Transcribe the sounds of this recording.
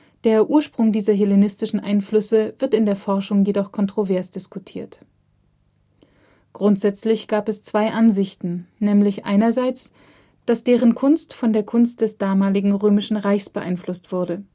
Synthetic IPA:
d̥eːɐʔuːɐʃpʁ̥ʊŋdiːzɐɦelenɪstɪʃn̩ʔa̰ɪnflʏsəvɪɐtɪndeːɐfɔɐʃʊŋjedɔχkʰɔntʁ̥ovɛɐsd̥ɪskutʰiːɐt | ɡ̥ʁʊntz̥ɛt͡slɪçɡ̥aːpɛst͡sv̥aɪʔanzɪçtn̩nɛːmlɪçʔa̰ɪnɐzaɪt͡s | d̥asd̥eːʁ̞ənkʰʊnstfɔndeːɐkʰʊnst̚d̥ɛsd̥aːmaːlɪɡŋ̩ʁøːmɪʃn̩ʁaɪçsb̥əʔa̰ɪnflʊstv̥ʊɐdə

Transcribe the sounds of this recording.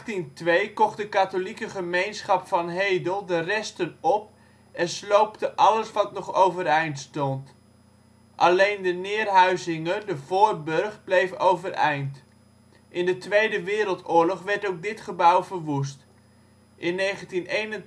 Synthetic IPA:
tintʋejkɔχdəkatolikəχəmejnsχɑpfɑnɦejdəlˠdərɛstənɔp̚ | ɛnslowptəʔɑləsʋɑtnɔχowvəɾɛjntstɔnt | ʔɑlejndənɪːrɦœɥzɪŋəndəv̥ʊːɹbɵrχblejfowvəɾɛ̰jnt | ʔɪndətʋejdəʋɪːɾəlˠtʊːɹlɔχʋɛɹtowk̚dɪtχəbʌwvəɹʋus̬t | ʔɪnːejχəntinejnən

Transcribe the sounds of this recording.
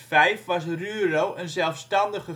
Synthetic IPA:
fɛjfʋɑsryːrowʔənzɛlˠfstɑndəχə

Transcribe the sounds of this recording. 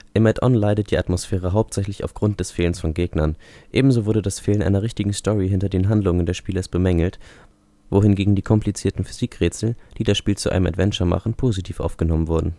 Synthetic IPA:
ʔɪmɛtʔɔ̰nlaɪɾət̚d̥iːatmosfɛːʁ̞əɦaʊp̚tz̥ɛçlɪça̰ʊfɡ̥ʁʊnt̚d̥ɛsfeːlənsfɔnɡeːɡnɐnʔeːbm̩zoːvʊɐdədasfeːlənʔa̰ɪnɐʁɪçtɪɡŋ̩stʰɔʁiɦɪntɐdeːnɦandlʊŋəndeːɐʃpiːlɐsb̥əmɛŋl̩t | vohɪnɡeːɡŋ̩diːkʰɔmplit͡siːɐtn̩fy̥z̥iːkʁeːt͡sl̩d̥iːdasʃpiːlt͡suʔaɪnəmʔa̰tv̥ɛnt͡ʃɐma̰χn̩pʰoːzitʰiːfʔa̰ʊfɡ̥ənɔmənvʊɐdn̩

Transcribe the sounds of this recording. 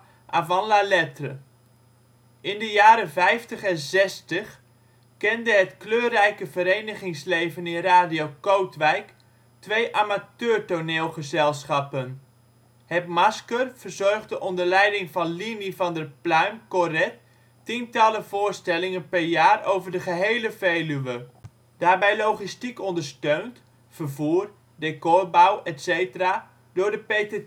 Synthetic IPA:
ʔavɑnlalɛtrə | ɪndəjaːɾəvɛjftəχɛnzɛstəχ | kɛndəɦətkløːrɛjkəvəɾejnəχɪŋslejvənɪnraːdiowkowtʋɛjk | tʋejʔamatøːɹtoneːlˠχəzɛlˠsχɑpən | hɛpmɑskərv̥ərzɔrχdəʔɔndəɹlɛjdɪŋvɑnlinivɑndərplœɥmkorɛt | tintɑləvʊːɹstɛlɪŋənpɛɹjaːrowvəɹdəχəɦejləvejlyʋə | d̥aːɹbɛjlowχistikɔndəɹstøɥnt | fərvuːr | dekɔrbawɛtsejtəra | dʊːɹdəpete

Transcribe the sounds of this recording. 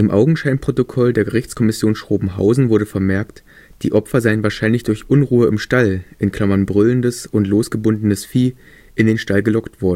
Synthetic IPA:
ʔɪmʔa̰ʊɡŋ̩ʃaɪnpʁ̥otokʰɔldeːɐɡəʁ̞ɪçt͡skʰɔmɪsjoːnsʃʁ̥oːbm̩ɦa̰ʊzn̩vʊɐɾəfɛɐmɛɐkt | d̥ḭːʔɔpfɐzaɪənvaːɐʃaɪnlɪçd̥ʊɐçʔʊnʁuːəɪmʃtalʔɪnkʰl̥amɐnbʁʏləndəsʊntloːsɡ̥əbʊndn̩əsfiː | ʔɪndeːnʃtalɡəlɔktv̥ɔɐdn̩

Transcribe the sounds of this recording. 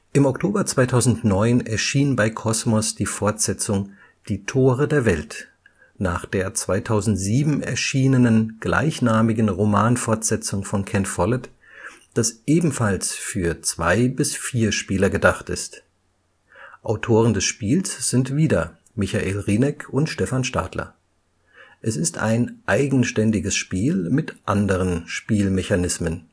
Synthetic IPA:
ʔɪmɔktʰoːbɐt͡sv̥aɪtʰaʊzn̩tnɔʏnɛɐʃiːnbaɪkʰɔsmɔsd̥iːfɔɐtz̥ɛt͡sʊŋ | d̥iːtʰoːʁədeːɐvɛlt | naːχd̥eːɐt͡sv̥aɪtʰaʊzn̩tz̥iːbm̩ɛ̰ɐʃiːnənənɡ̥la̰ɪçnaːmɪɡn̩ʁomaːnfɔɐtz̥ɛt͡sʊŋfɔnkʰɛntfɔlɛt | d̥asʔeːbm̩falsfyːɐt͡sv̥a̰ɪbɪsfiːɐʃpiːlɐɡədaχtɪ̰st | ʔaʊtʰoːʁəndɛsʃpiːlsz̥ɪntv̥iːdɐ | mɪçaʔeːlʁiːnɛkʰʊntʃtɛfanʃta̰ːtʰlɐ̰ | ʔɛsɪstʔa̰ɪnʔaɪɡŋ̩ʃtɛndɪɡəsʃpiːlmɪtʔandəʁ̞ənʃpiːlmɛçanɪsmən

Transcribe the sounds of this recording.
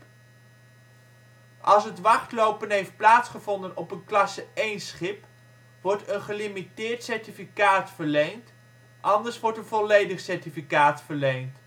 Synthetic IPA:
ʔɑlˠs̬ɦətʋɑχtlowpənɦejft̚plaːtsχəvɔndənɔpənklɑsəejnsχɪp | ʋɔɹtənχəlimitɪːɹtsɛɹtifikaːtfəɹlejnt | ʔɑndəɹsʋɔɹtənvɔlejdəχsɛɹtifikaːtfəɹlejnt

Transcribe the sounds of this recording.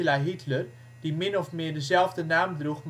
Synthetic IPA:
laɦitʰlər | d̥imɪnɔfmɪːrdəzɛlˠvdənaːmdruχm

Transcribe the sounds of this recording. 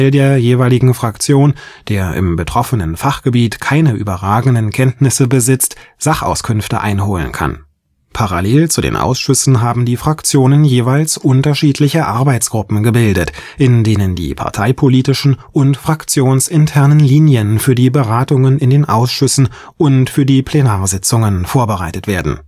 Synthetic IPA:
ɪldeːɐjeːvaɪlɪɡŋ̩fʁ̥akt͡sjoːnd̥eːɐʔɪ̰mbətʁ̥ɔfənənfaχɡ̥əbiːtkʰaɪnəʔy̰ːbɐʁaːɡŋ̩dənkʰɛntnɪsəbəzɪt͡stz̥aχʔa̰ʊskʰʏnftə̰ʔa̰ɪnɦoːlə̰nkʰa̰n | pʰaʁa̰leːlt͡sudḛːnʔa̰ʊsʃʏsn̩ɦaːbm̩diːfʁ̥akt͡sjoːnənjeːvaɪlsʔʊntɐʃiːtʰlɪçɐʔaɐbaɪt͡sɡ̥ʁʊpm̩ɡəbɪldətʔɪndeːnəndḭːpʰa̰ɐtʰaɪpʰoliːtɪʃn̩ʔʊntfʁ̥akt͡sjoːnsʔɪntʰɛɐnənliːnjənfyːɐdiːbəʁaːtʊŋənɪndeːnʔa̰ʊsʃʏsn̩ | ʔʊntfyːɐdiːpʰl̥enaːɐzɪt͡sʊŋənfoːɐbəʁaɪtətv̥eːɐdn̩

